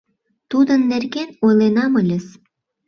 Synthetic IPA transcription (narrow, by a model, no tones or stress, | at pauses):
t̪ud̪ənːerɡenojlenɑməlʲə̆s